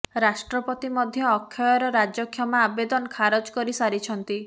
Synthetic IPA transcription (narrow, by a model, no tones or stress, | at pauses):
ɾasʈɾɔpɔt̪imɔd̪ʱjɔːkʰːjɔjɔɾɔɾad͡ʒɔkʰjɔmaabed̪ɔnɔkʰaɾɔd͡ʒkɔɾisaɾit͡ʃʰɔnt̪i